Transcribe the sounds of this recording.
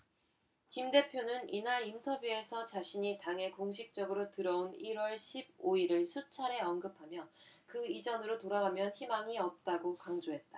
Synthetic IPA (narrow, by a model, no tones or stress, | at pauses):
kimde̞pʰjonɯninaɾintʰʌbjue̞sʰʌt͡ɕaɕʰiɲitaŋɦe̞koŋɕʰik̚t͡ɕ͈ʌɡɯɾotɯɾʌoniɾwʌɭɕʰib̚oiɾɯɭsʰut͡ɕʰaɾe̞ʌnɡɯpʰamjʌkɯid͡ʑʌnɯɾotoɾaɡamjʌnçimaŋiʌp̚t͈aɡokaŋd͡ʑoɦe̞t̚t͈a